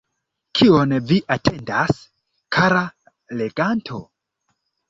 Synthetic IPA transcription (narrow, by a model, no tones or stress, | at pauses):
kʰionviʔatʰendas | kʰaɾa | leɡantʰo